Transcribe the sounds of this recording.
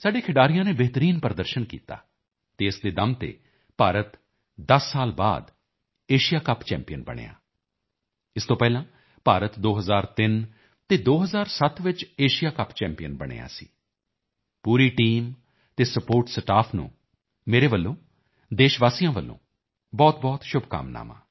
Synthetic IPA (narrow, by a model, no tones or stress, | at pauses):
saːɖeːkʰɪɖaːɾijãːneːbeɦt̪əɾiːnpəɾəd̪əɾʃənkḭːt̪a̰ː | t̪eːɪsd̪eːd̪əmt̪ḛː | paːɾət̪ | d̪əsːaːlba̰ːd̪ | eːʃɪjaːkəpt͡ʃɛ̰ːmpijənbə̰ɽ̃ḛːa̰ː | ɪst̪õːpɛːlãː | paːɾət̪d̪oːɦəzaːɾt̪ɪn | t̪eːd̪oːɦəzaːɾsət̪ʰʋɪt͡ʃeːʃijaːkəpt͡ʃɛːmpijənbəɽ̃ḛːja̰ːsi̥̰ː | puːɾiːʈiːm | t̪eːsəpoːɾʈsəʈaːpʰnṵ̃ː | meːɾeːʋəlːõː | d̪eːʃʋaːsijãːʋəlːõ̰ː | bɔːt̪̚bɔːt̪ʃʊbka̰mna̰ːma̰ː